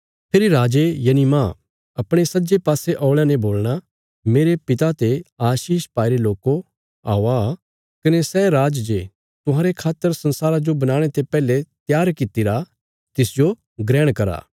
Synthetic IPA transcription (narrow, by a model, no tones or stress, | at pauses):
pʰɪɾiɾaːd͡ʒejɐnimãː | ɐpɽ̃esɐd͡ʒepaːseʔɔːɭɛnẽboːlɽ̃a | meːɾepɪt̪at̪eaːʃiːʃpaːiɾeloːko | aːoa | kɐnesɛɾaːd͡ʒd͡ʒe | t̪ʊɦãːɾekʰaːt̪ːəɾsɐ̃nsaːɾad͡ʒobɐnaːɽ̃et̪epɛːlet̪jaːɾkɪt̪iɾa | t̪ɪsd͡ʒo | ɡɾɛːɽ̃kɐɾa̰ː